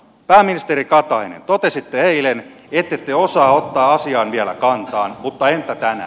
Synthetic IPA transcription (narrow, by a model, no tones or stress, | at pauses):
pæːmːinist̪eɾikɑt̪ɑinḛnt̪ot̪esit̪ːeheilen | et̪ːet̪ːeosɑːot̪ːɑːɑsiɑːnʋiælæ̰kɑnt̪ɑːnmut̪ːɑent̪ːæt̪ænæ̰ː